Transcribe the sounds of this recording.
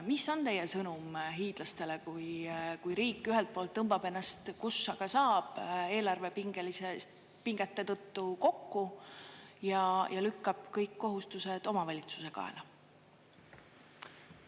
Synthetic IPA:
miso̞nt̪e̞jesɤnumɦiːd̪̥lɑst̪e̞le̞kujkujɾiːkːˑyɦelt̪̚poːlt̪ːɤmb̥ɑb̥e̞nːɑst̪kusːɑɡ̥ɑsɑːb̥e̞ːlɑrve̞piŋɡ̥elise | piŋɡ̥et̪ːe̞t̪ɤt̪ːuko̞kːu | jɑjʔɑlykːɑb̥kɤjkːo̞ɦust̪use̞d̪̥o̞mɑvɑlʲit̪su̥se̞kɑ̰ḛlɑ

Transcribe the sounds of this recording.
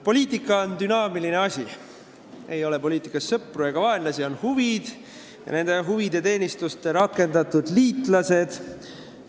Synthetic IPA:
po̞lʲiːt̪ˑikːˑɑond̪ynɑːmiline̞ɑsʲi | e̞jo̞le̞po̞lʲiːt̪ˑikːˑɑsːɤpːrue̞ɡ̥ɑvɑenlɑsio̞nhuvid̪̥ | jɑ̰ne̞nd̪̥eɦuvid̪e̞t̪e̞ːnʲist̪ust̪eɾɑkːˑe̞nd̪ɑt̪ːˑud̪̥liːt̪ˑlɑse̞d̪̥

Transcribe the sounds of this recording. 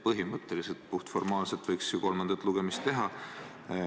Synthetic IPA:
pɤɦimɤt̪ːˑeliset̪̚puht̪fo̞rmɑːlset̪vɤjksuko̞lmɑnd̪̥ɑt̪ːˑluɡ̥emist̪ːe̞ɦɑ

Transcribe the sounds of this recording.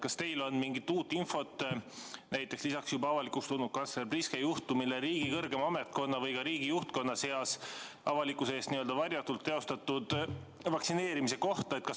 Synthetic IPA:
kɑst̪e̞jlo̞nmiŋɡit̪ːuːt̪ˑːinfo̞t̪ː | næjt̪ːˑe̞kslisɑksjubɑɑvɑlikukst̪unu̥kɑnslerbriskejuht̪umileɾiːɡ̥ikɤrɡ̥emɑme̞t̪̚ko̞nːɑvɤjkɑɾiːɡ̥ijuht̪̚ko̞nːɑse̞ɑsʔɑvɑlikːˑuseeːst̪niøld̪ɑvɑɾʲjɑt̪ːult̪ːe̞o̞st̪ɑt̪ːˑud̪̥ | vɑksine̞ːɾimise̞ko̞ht̪ɑet̪̚kɑs

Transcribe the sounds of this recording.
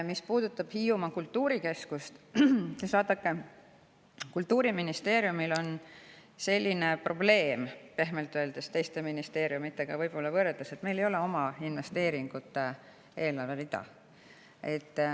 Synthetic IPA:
mispuːd̪̥ut̪ːˑɑb̥hiːumɑkult̪ːuːɾike̞skust̪esvɑːd̪̥ɑkːe | kult̪ːˑuːɾiminist̪e̞ːɾjumilo̞nse̞lʲːine̞pro̞ble̞ːmpe̞ɦmelt̪ːˑøe̞ld̪̥e̞st̪e̞jst̪eminist̪e̞ːɾjumit̪ːe̞ɡ̥ɑvɤjb̥o̞lːɑvɤrelt̪eset̪me̞jlejo̞le̞o̞mɑinve̞st̪e̞ːɾiŋɡ̥ut̪ːˑe | e̞ːlɑrvelid̪̥ɑ̰ | e̞t̪ː

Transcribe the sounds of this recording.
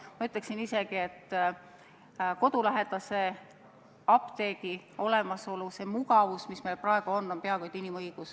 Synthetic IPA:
mɑyt̪ˑleksinise̞ɡ̥ie̞t̪ːˑ | ko̞d̪̥ulæɦe̞t̪ɑse | ɑpt̪e̞ːɡio̞le̞mɑso̞luse̞muɡɑvusmisme̞jlpɾɑeɡ̥uo̞nːo̞mpeɑkojd̪inimɤjɡ̥us

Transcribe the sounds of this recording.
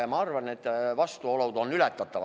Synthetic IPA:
jɑmɑɑrvɑne̞t̪ːˑvɑst̪uolod̪o̞nːylæt̪ˑːɑt̪ːˑɑv

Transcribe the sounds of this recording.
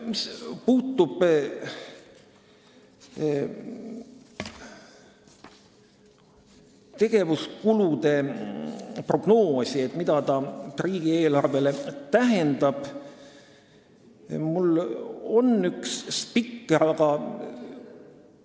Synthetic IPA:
mispuːt̪ːˑub̥ | t̪e̞ɡ̥e̞vuskulud̪e̞ | pro̞ɡ̥no̞ːsʲie̞t̪mid̪ɑt̪ɑriːɡ̥ieːlɑrve̞let̪æɦe̞nd̪ɑb̥ | mulo̞nykspikːeɑɡɑ

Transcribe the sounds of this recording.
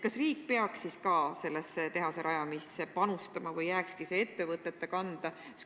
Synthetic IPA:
kɑsriːk̚peɑksiskɑːse̞lːeset̪e̞ɦɑseɾʔɑjɑmisepɑnust̪ɑmɑvɤjːæːkskisee̞t̪ːe̞vɤt̪ːˑe̞t̪ːˑekɑnd̪̥ɑ

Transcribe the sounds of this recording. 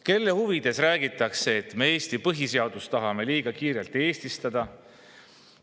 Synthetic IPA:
ke̞lːe̞huvid̪̥e̞sræːɡ̥it̪ːˑɑkse̞ːt̪ːˑme̞eːst̪ipɤɦise̞ɑd̪ust̪ːɑɦɑme̞liːɡ̥ɑkiːɾelt̪e̞ːst̪ist̪ɑd̪̥ɑ

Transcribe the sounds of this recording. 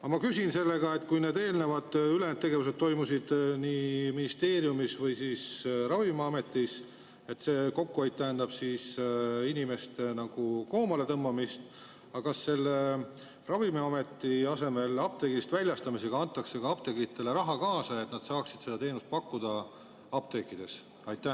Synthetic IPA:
ɑmɑkysinse̞lːe̞ɡ̥ɑe̞t̪kujne̞ːd̪e̞ːlne̞vɑd̪̥ylend̪t̪ːe̞ɡe̞vuse̞t̪̚t̪o̞jmusid̪̥niːminist̪e̞ːɾijumisvɤjsiːsrɑvimɑɑme̞t̪ːˑis | e̞t̪ːˑse̞ːko̞kːuejd̪̚t̪ːæɦːnd̪ɑb̥siːsinʲime̞st̪enɑɡ̥uko̞ːmɑle̞t̪ɤmːɑmist̪ | ɑkɑsːe̞lːe | rɑvimiɑme̞t̪ːˑiɑse̞me̞lɑb̥̚t̪eɡist̪vælʲjɑst̪ɑmise̞ɡ̥ɑɑnt̪ːˑɑkse̞kɑɑb̥t̪e̞ɡit̪ːˑe̞le̞ɾɑɦɑkɑːsɑe̞t̪ˑnɑd̪̥sɑːksid̪̥se̞d̪̥ɑt̪e̞ːnust̪̚pɑkːud̪̥ɑ | ɑb̥̚t̪e̞kid̪̥e̞s | ɑjt̪ːæ

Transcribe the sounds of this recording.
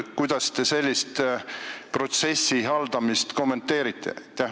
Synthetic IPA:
kujd̪̥ɑst̪e̞se̞lʲːist̪ | pro̞t̪se̞sːiɦɑld̪̥ɑmist̪ko̞mːe̞nt̪ːe̞ːɾit̪ːˑḛt̪ː

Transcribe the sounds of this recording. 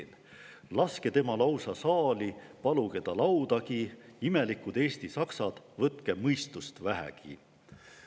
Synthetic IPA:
l | lɑske̞t̪e̞mɑlɑwsɑsɑːlipɑluɡ̥e̞t̪ɑlɑwd̪ɑkiime̞likud̪e̞ːst̪isɑksɑd̪̥vɤt̪ke̞mɤjst̪ust̪væɦæ̰kḭ

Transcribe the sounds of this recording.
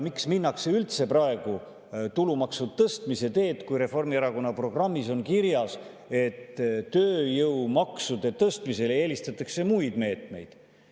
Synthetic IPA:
miksminːɑkse̞ylt̪se̞prɑe̞ɡ̥u | t̪ulumɑksud̪t̪ɤst̪mise̞t̪e̞ːt̪kujɾe̞fo̞rmieɾɑko̞nːɑpro̞ɡ̥rɑmːiso̞nkiɾjɑs | e̞t̪ːøːjɤwmɑksud̪̥e̞t̪ɤst̪mise̞le̞ːlist̪ɑt̪ːˑɑkse̞mujd̪̥me̞ːt̪me̞̰jd̪̥

